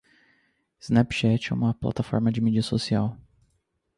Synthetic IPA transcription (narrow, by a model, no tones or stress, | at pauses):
ɪz̥nɛpʃɛt͡ʃɛ̰ṵ̃mɐpla̰t̪afɔ̰ɾmɐd͡ʒɪmid͡ʒiɐsosiaw